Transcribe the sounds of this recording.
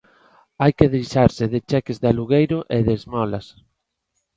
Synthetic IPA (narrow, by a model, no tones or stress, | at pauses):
ajkeðiʃaɾsɪðɪt͡ʃɛkezðaluɣejɾʊʔeðezmɔlas